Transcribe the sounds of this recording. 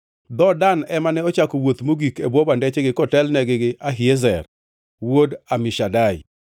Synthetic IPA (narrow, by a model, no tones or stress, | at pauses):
d̪ɔdanɛmanɛɔt͡ʃakowot̪moɡikebwɔbandɛt͡ʃeɡɪkɔtɛlnɛɡɪɡɪʔaɦɪezɛr | wodamɪʃadaj̰